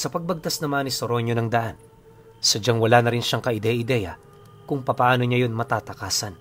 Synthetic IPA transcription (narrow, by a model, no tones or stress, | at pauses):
sɐpɐɡ̚bɐɡ̚t̪asnɐmanisoɾo̞ɲo̞nɐŋd̪ɐʔan | sɐd͡ʒaŋwɐlaːnɐɾɪnʃaŋkɐʔɪd̪ɛjɪd̪ɛjɐ̰ | kʊŋpɐpɐʔaːno̞ɲajo̞nmɐt̪aːt̪ɐkaːsɐn